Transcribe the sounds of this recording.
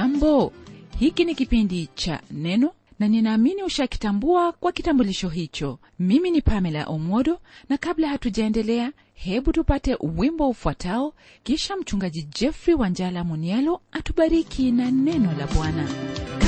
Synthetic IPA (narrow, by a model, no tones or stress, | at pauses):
ambɔhikinikipindit͡ʃa̰nɛnɔ | naninaːminiuʃaki̥tambuakwakitambuliʃɔɦit͡ʃɔ | miminipamɛla̰ʔɔmwɔɗɔnakablahatuʄaɛndɛlɛa | hɛɓutupatɛʔuwimbɔufuwatʰaɔ | kiʃam̩t͡ʃuŋɡaʄid͡ʒɛfɾiwand͡ʒalamɔnialɔatuɓaɾikʰinanɛnɔlaɓwana